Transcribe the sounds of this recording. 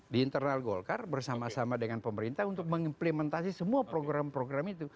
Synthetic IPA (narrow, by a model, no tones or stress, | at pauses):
diːnt̪ərnalɡolkarbərsamasamadəŋanpəməɾint̪aunt̪ʊk̚məŋimpləmɛnt̪asisəmuapɾoɡɾampɾoɡɾamit̪u